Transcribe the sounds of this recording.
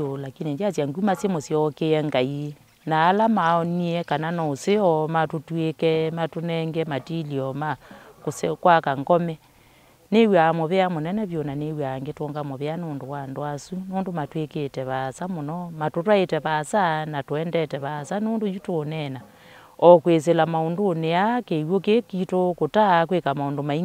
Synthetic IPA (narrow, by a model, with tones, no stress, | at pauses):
ola˨ki˦ne˨d͡ʒa˦sja˨ŋɡu˦ma˦sje˦mo˨sjɔkeɛŋɡa˨i | naː˨˦la˦maɔni˦ɛka˨na˦nɔ˨o˨se˦ɔma˨to˨twekɛma˨to˦nɛŋɡɛma˨ti˦li˨ɔma˦koskwaka˨ŋɡɔ˦mɛ˦ | ne˦wa˨mo˨βe˦a˦mo˨nɛnɛ˦βjo˨na˨newa˨ŋɡe˦toːŋɡamo˨βe˦a˦noːndo˨wa˨ndwa˦su˦noː˦ndo˨ma˨twe˦ketɛβasa˦mɔ˨nɔma˨totwa˦e˨tɛ˨βasa˦na˨toɛndɛtɛβasa˦noː˦ndo˦ju˦tonɛna˨ | ɔ˨kwe˨s̬e˨la˨ma˨o˨ndoːne˨a˦ke˨wo˦ke˦kito˦ko˨ta˦kwe˦ka˨ma˨o˨ndoma˨i˦